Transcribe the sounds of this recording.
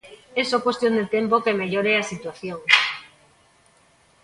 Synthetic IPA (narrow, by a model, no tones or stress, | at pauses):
esokwest̪jond̪et̪empokemeʎoɾeasit̪waθjoŋ